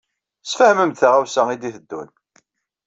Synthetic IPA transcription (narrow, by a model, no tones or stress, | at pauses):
sfəhməmt̪θaʁawsæid̪iθəd̪ːṵn